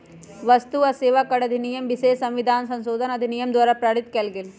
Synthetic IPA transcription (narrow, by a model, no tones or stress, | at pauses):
ʋɐst̪uɐseːʋakɐɽɐd̪ʱinijɐmʋiʃeːʃsɐ̃mʋid̪ʱaːnsɐ̃nʃoːd̪ʱɐnɐd̪ʱinijɐmd̪ʋaːɾaːpɾaːɽit̪kelɡel